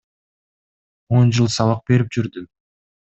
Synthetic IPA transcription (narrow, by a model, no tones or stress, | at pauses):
o̞nd͡ʒɯlˠsɑβɑq̚be̞ɾip̚d͡ʒyɾd̪y